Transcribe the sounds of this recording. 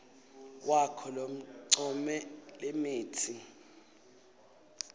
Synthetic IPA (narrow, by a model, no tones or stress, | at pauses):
wʔakʰɔlom̩ǀɔmɛlemeːtʰi